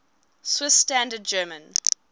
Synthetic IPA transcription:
swɪstæ̃ndəd̚d͡ʒɜːmə̃n

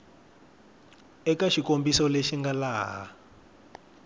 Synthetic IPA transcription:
ɛkaʃikombisɔleʃiŋɡalaːɦa̰

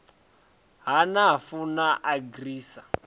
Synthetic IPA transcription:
ɦanafunaʔaɡriːsa

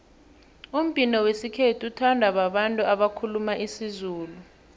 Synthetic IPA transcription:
um̩pʼinɔwesikʰetʰiutʰandʱaɓaɓantʼuaɓakʰulumaʔisizuːlu

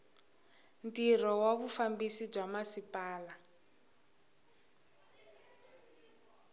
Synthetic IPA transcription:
ntirɔwaβufambisib͡ʐwamasipaːla

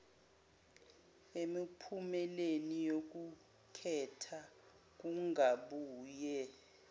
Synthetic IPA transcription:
emipʰumɛlenijok̬u | kʰɛtʰa | k̬uŋaɓuːjɛ

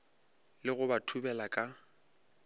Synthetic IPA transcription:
lɪɣʊbatʰubɛlakʼa

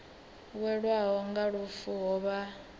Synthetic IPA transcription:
wɛɺwaɦɔŋɡaɺufuɦɔβa

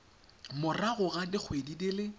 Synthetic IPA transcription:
mʊraɣʊɣadɪk͡xʰwedidɪlɪ

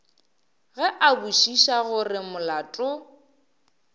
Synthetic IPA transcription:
ɣɛʔabuʃiʃaɣʊrɪmʊlatʼʊ

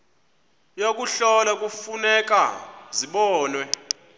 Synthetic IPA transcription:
jok̬ʼuɬɔlak̬ʼufunɛk̬ʼaziɓɔːnwɛ

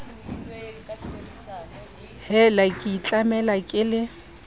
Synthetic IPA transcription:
hɛlakʼit͡ɬʼamɛlakʼɪlɪ

